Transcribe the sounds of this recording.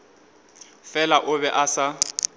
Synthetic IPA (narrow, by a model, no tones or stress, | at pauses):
fɛlaʔʊbɛʔasa